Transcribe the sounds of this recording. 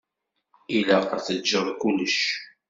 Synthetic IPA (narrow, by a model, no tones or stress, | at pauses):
ilæqəθəd͡ʒːəðˤkuləʃ